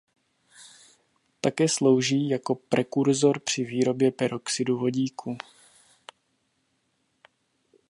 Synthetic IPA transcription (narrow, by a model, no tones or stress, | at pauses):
t̪akɛːslo̞wʒiːjako̞pɾɛkuɾzo̞ɾpr̝̥ɪviːɾo̞bjɛpɛɾʔoksɪduvo̞ɟiːkʰuː